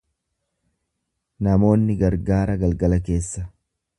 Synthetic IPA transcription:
nɐmo̞ːnːɪɡɐɾɡaːɾɐɡɐlɡɐlɐke̞ːsːɐ

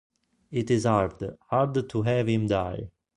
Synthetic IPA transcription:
itizhaɹd̪haɹd̪tʰuɦɛvhĩmdaj

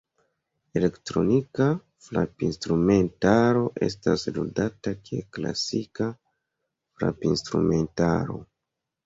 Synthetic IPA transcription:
ele̞ktɾo̞nika | flapinstɾume̞ntaɾo̞ʔe̞̰stasludatakʰekla̰sika | fla̰pinstɾume̞nta̰ɾo̞̰

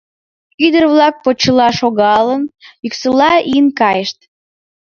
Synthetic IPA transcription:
yd̪ərβlɑk̚pot͡ɕːəlɑʃoɣɑlənyksəlɑʔinkɑjəʃt̪̚

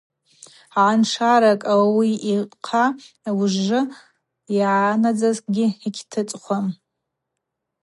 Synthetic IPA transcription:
ʕanʂʰaɾakʼawawiiqʰa | wʐːɨ | jʕanad͡zazkʼɡʲɪikʲʰtʰɨt͡sʼχʷam

